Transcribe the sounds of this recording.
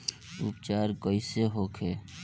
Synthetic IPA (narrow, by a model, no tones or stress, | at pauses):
ṵpt͡ʃaɾkəiseɦokʰeː